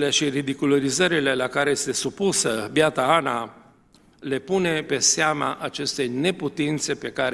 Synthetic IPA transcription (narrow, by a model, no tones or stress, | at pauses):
le̞ʃirid̪ikuloɾizəɾile̞lakaɾe̞jest̪e̞supusəbjat̪aana | le̞pune̞pe̞seama̰ʔat͡ʃe̞st̪e̞jne̞put̪int̪se̞pe̞kaɾ